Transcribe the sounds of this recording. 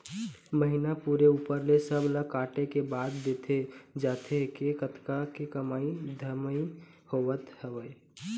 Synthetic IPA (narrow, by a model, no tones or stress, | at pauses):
məɦinapuɾeuːpəɾlesəbʱləkaːʈekebaːd̪ːet̪ʰed͡ʒaːt̪ʰekekət̪kakekəmaːid̪ʱəɾməi | hoʋət̪həʋəe